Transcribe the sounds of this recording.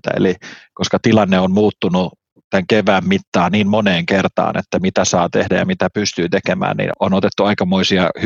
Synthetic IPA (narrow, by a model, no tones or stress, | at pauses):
t̪æ̰ḛlikoskɑt̪ilɑnːeommuːt̪ːunu | t̪æŋkeʋæːmmit̪ːɑːniːmmoneːŋkert̪ɑ̰ːnḛt̪ːæmit̪æsɑːt̪ehdæjɑ̰mit̪æpyst̪yːt̪ekemæ̰ːnnḭnonot̪et̪ːuɑikɑmoisiɑh